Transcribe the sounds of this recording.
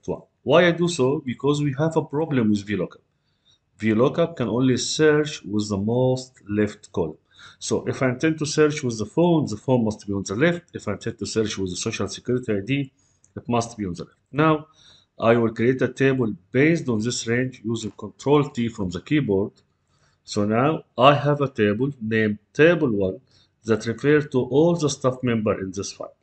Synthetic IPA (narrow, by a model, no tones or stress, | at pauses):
wã̰n | wajajd̪usobɪkʰɔzwiɦævəpɾɔblə̃mwɪðvilokḁp̚ | vilokap̚kæ̃nʔõːnlisɜɾt͡ʃwɪðːəmoːst̪lɛft̪kɔlmsoːʔɪfaj̃t̪ɛ̃nd̚t̪usɜɾt͡ʃwɪðːəfõʊnðəfõːnmast̪̚biːɔ̃nðəlɛft̪ɪfaj̃nt̪ʰɛ̃nd̪̚t̪usɜɾt͡ʃwɪðːəsoʃalsɪkjuɾɪt̪iajd̪i | ɪtmʌst̪̚biːɔ̃nðəlɛft̪naw | ʔajwɪlkɾiet̪ət̪ʰeɪbəlb̥eɪstɔ̃nðɪsɹẽɪ̃nd͡ʒjuːzɪ̃ŋkɔ̃ntʰɹoːlt̪ifɾɔ̃mðəkiːbɔɹd̪̥ | soːnaʊʔajɦævət̪eɪbəlnẽmt̪ʰeɪbəlwʌ̃n | ðæt̪ɹɪfeɾzt̪uʔɔːlðəst̪afmɛ̃mbəɾʔɪ̰̃nðɪsfa̰ɪl